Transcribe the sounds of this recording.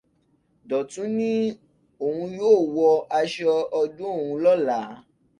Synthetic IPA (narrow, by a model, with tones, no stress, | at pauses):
dɔ˨tũ˨˦nĩ˦ | o˨hũ˧joː˦˨wɔ˧a˧ʃɔ˧ɔ˧dũ˦o˦˨wũ˨˧lɔ˦la˨˦